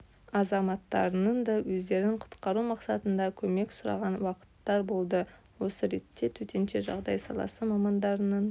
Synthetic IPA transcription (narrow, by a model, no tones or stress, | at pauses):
ɑzɑmɑt̪ːɑ̰ɾənənd̪ɑwɵzd̪e̞ɾɪŋqʰʊ̥t̪qɑɾumɑqsɑt̪ənd̪ɑkʲʰɵme̞ksʊɾɑ̰ʁɑnwɑqə̥t̪ːɑɾbo̞lˠd̪ə | wo̞səɾe̞t̪ːe̞t̪ʰɵt̪ʰenʃe̞ʒɑ̰ʁd̪ɑjsɑ̰lˠɑ̰səmɑmɑnd̪ɑɾənən